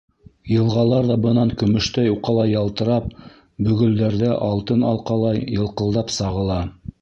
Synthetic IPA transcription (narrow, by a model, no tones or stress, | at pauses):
jɤ̆lˠʁɑlˠɑɾðɑbɤ̆nɑŋkɵ̆mɵ̆ʃt̪æjuqɑlˠɑjɑlˠt̪ɤ̆ɾɑp̚ | bɵ̆ɡɵ̆ld̪æɾðɘʔɑlˠt̪ɤnɑlˠqɑlˠɑjɤ̆lˠqɤ̆lˠd̪ɑpsɑʁɤ̆lˠɑ